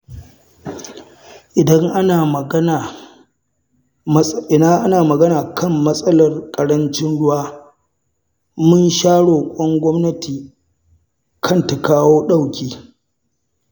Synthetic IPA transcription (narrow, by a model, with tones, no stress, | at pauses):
ʔɪ˨dɐ˦ŋʔa˦naː˨mɐ˨˦na˨ | ɪ˨naː˦ʔa˦naː˨mɐ˨ɡɐ˦naː˨kʰɐ˦˨mːɐ˦sʼɐ˦lɐ˨rkʼɐ˨ɽɐ˦nt͡ʃɪ˦nɽʊ˦waː˦ | mʊ˦nʃaː˦ɽoː˨kʷʼɔ˦ŋɡʷɔ˦mnɐ˦tʰiː˨ | kʰɐ˦˨nta˨kaː˦woː˦ɗa˦˨wkʲiː˦˨